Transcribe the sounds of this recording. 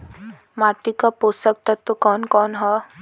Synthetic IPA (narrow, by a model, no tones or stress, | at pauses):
maʈikaposək̚t̪ət̪ːokɔːnkɔːnɦɔ